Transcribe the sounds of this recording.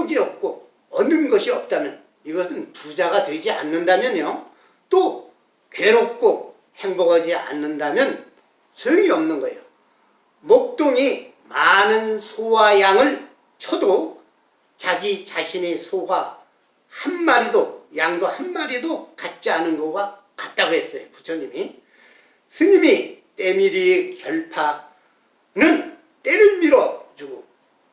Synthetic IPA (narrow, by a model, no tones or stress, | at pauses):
oɡiʌp̚k͈o | ʌnɯnɡʌɕʰiʌp̚t͈amjʌn | iɡʌsʰɯnpud͡ʑaɡatwed͡ʑia̰nːɯndamjʌɲjo | t͈o | ke̞ɾok̚k͈o | heŋbʌɡʌd͡ʑia̰nːɯndamjʌn | sʰʌjoŋiʌmnɯnɡʌḛjo | mok̚t͈oŋi | manɯnsʰowajaŋɯɭ | t͡ɕʰʌdo | t͡ɕaɡit͡ɕaɕʰinesʰowa | hanmaɾidojaŋdohanmaɾidokat̚t͡ɕ͈ianɯnɡʌɡa | kat̚t͈aɡoɦe̞s͈ʌjoput͡ɕʰʌɲimi | sʰɯɲimit͈emiɾiekjʌɭpʰa | nɯn | t͈eɾɯɭmiɾʌt͡ɕuɡo